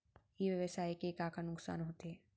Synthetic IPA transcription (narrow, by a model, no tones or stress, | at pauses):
iːʋjɐʋɐsaːjkekaːkʰanuksa̰ːnɦot̪eː